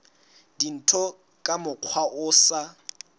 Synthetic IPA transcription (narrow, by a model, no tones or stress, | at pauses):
din̩tʰɔ | kʼamʊq͡χʰwaʔʊːsa